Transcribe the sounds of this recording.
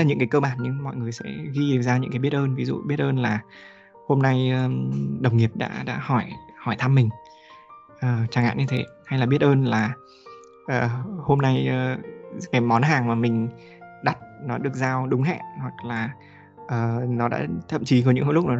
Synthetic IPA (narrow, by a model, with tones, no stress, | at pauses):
ɲɨ̰˧˥ŋkaː˨˦kəː˧ɓaː˧˩nɲɨ˧ŋmɔ̰˧˨jŋɨ˨˩əjsɛ̰˧˥ɣi˧ʔi˨˩ŋzaː˧ɲɨ̰˧˥ŋkaː˨˦jɓət̚ʔəː˧nvi˨˦zṵ˧˨ɓi˦˥ət̚ʔəː˧nlaː˨˩ | ho˧mna˧jə˨˩ɗə˨˩wŋ͡mŋi˨˩əp̚ɗa̰ː˧˥ɗa̰ː˧˥hɔ˧˩jhɔ˧˩jt̪ʰa˧mːï˨˩ŋ̟ | ʔəː˨˩t͡ɕaː˨˩ŋʔa̰ː˧˨nɲɨ˧t̪ʰe˨˦ha˧jlaː˨˩ɓi˦˥ət̚ʔəː˧nlaː˨˩ | ʔəː˨˩ho˧mna˧jəː˨˩kaː˨˦jmɔ˨˦nɦaː˨˩ŋmaː˨˩mï˨˩ŋ̟ | ɗa˨˦˩t̚nɔ˨˦ɗɨ˨˩ək̚zaː˧wɗʊ˨˦ŋ͡mɦɛ̰˧˨nhwa˨˩k̚laː˨˩ | ʔəː˨˩nɔ˨˦ɗa̰ː˧˥t̪ʰə̰˧˨mt͡ɕi˨˦ko˨˧˦ɲɨ̰˧˥ŋ˧˦lʊ˦˥k͡p̚nɔ˨˦